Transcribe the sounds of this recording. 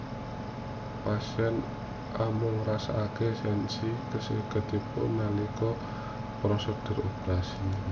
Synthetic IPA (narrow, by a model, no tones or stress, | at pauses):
pasiɛn | ʔamʊŋrasa̰ʔakesɛnsikəsikət̪ipʊ̰ʔnalikɔ | pɾɔsəd̪̥ʊ̤ɾopɾasi